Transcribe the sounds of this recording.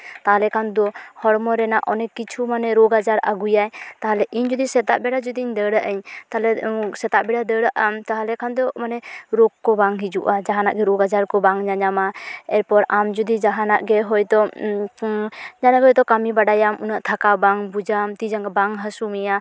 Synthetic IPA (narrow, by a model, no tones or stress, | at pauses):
t̪aɦalɛkʰand̪ɔhɔɽmɔɾɛnaʔɔnɛkit͡ʃʰumanɛɾoɡad͡ʒaɾa̰ɡujajt̪aɦalɛʔiɲd͡ʒɔd̪isɛt̪aʔbɛɽad͡ʒud̪iiɲd̪əɽaʔəɲt̪aalɛsɛt̪aʔbɛɖad̪əɽaʔamt̪aɦalɛkʰand̪ɔmanɛɾoɡkːɔbaŋɦid͡ʒuʔad͡ʒaɦana̰ʔɡɛɾoɡad͡ʒaɾkɔbaŋɲaɲamaɛɾpɔɾamd͡ʒud̪id͡ʒaɦanaʔɡɛɦɔjd̪ɔ | ɲanaʔɡɔjd̪ɔkamibaɖajamunaʔt̪ʰakabaŋbud͡ʒamt̪id͡ʒaŋɡabaŋɦasumija